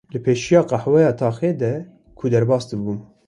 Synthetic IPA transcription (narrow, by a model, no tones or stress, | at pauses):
lɨpʰeːʃijɑːqɑħwɛjɑːt̪ʰɑːxeːd̪ɛ | kʰud̪ɛɾbɑːst̪ɨbuːn